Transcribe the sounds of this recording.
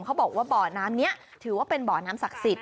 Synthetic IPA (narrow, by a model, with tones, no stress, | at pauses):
mkʰa˦˥wbɔː˨˩k̚waː˥˩bɔː˨˩naː˦˥mni˦˥ɐ | t̪ʰɯː˩˦waː˥˩pe˧nbɔː˨˩naː˦˥msa˨˩k̚si˨˩t̪̚